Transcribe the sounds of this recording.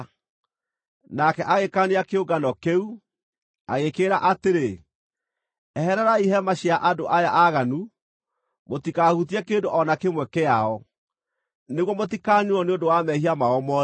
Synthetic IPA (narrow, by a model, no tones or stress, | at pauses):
nakɛʔaɣekaneakeoɡanɔkeu | aɣekeːɾaʔateɾe | ɛhɛɾɛɾaiɦɛmaɕiaʔadoʔajaʔaɣanu | motikahut̬iɛkeːndoʔɔnakemwɛkeaɔ | neɣwɔmotikanuɔneondowamɛhiamaɔmɔ